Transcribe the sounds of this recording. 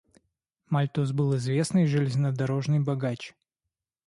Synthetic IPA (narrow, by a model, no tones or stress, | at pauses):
mɐlʲt̪uz̬bɨlˠɪzvʲe̞snɨjʐɨlʲɪzʲnəd̪ɐɾo̞ʐnɨjbɐɡat͡ɕ